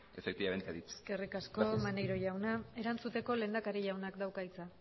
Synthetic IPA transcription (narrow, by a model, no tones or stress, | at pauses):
efekt̪iaβent̪aðit͡sskerikasko̞manejɾo̞ʎawnae̞ɾant͡sut̪e̞ko̞le̞ːnd̪akaɾiʎawnakd̪awkait͡sa